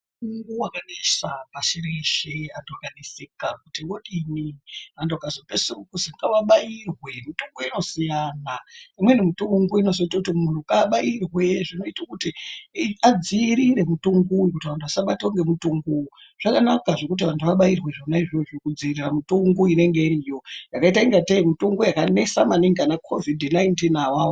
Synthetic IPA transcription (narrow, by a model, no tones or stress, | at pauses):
uŋɡuwakanesapaʃireʃeantʰuakanesekak̚utiwoɗiniantʰuakazopesuukuziŋɡawaɓajirwe̞mituŋɡoino̞sijaːnaimwenemituŋɡoino̞zoitakutimun̤ukaɓairwe̞ʐino̞itakuti | ad͡ziɾire̞mutuŋɡujikutiʋantʰuʋasaɓatwoŋɡe̞mutuŋɡu | ʐ̥akanakaʐe̞kut̬iʋantʰuʋaɓairwe̞ʐonaiʐioʐirikud͡ziriramutuŋɡuine̞ŋɡe̞irijo̞jakaitaiŋɡateimitoŋɡojakane̞samaniŋɡanakʰo̞vidnajntinawawo